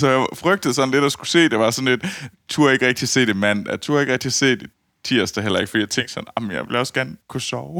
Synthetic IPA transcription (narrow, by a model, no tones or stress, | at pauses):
sɒ̽jɑ̈ɪfʁœɡ̥̚d̥əð̩ˠsɒ̽n̩le̝d̥ɒsɡ̥use̝̰ːd̥e̝ʋɑ̈sɒ̽nle̝d̥t͡sʰuɐe̝ɡ̥ʁɛɡ̥̚d̥iæse̝̰ːd̥emæn̰d̥æt͡sʰuːɐe̝ɡ̥ʁɛɡ̥d̥iæse̝̰ːd̥e̝ | t͡sʰiɐ̰sd̥əɦel̰ɐe̝ɡ̥fdḭjɑ̈ɪt͡sʰeŋ̰ɡ̥sɒ̽nɑmnjɑ̈ɪʋe̝lɒ̽sɡ̥ænkʰusɒʊ